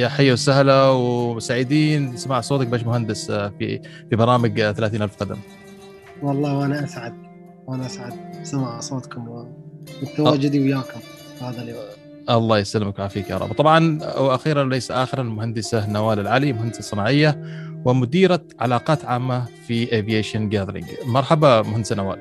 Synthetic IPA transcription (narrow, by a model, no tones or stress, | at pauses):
jaħajːawsahlawɪmʊsaːʕɪd̪iːnsamaːʕsˤoːt̪ak̚beːʃmʊɦand̪ɪsfḭ | fibɑɾˤɑːmɪɡθalaːθiːnʔalfqɑd̪a̰m | wɑlˤːɑːwʔanaʔasʕad̪̚ | wʔanaʔasʕad̪̚samaʕsˤoːt̪kʊmwwɪt̪ːawaːd͡ʒʊd̪iwɪjaːkʊm | haːðal | ʔɑlˤːɑːjasalːɪmakmʕafiːkjɑ̰ːɾˤɑ̰ːb̚t̪ˤɑbʕɑnwʔaxiːɾanlajsaʔaːxɪɾˤalmʊɦand̪ɪsanːawaːlalʕaːlimʊhand̪ɪsɑsˤːɨnɑːʕɪjːawɪmʊd̪iːɾa | ʕalɑːqɑːt̪ʕaːmːafiʔevijeːʃanɡad̪ɾɪ̰ŋɡmɑɾˤħabamʊhand̪ɪsanawa̰ːl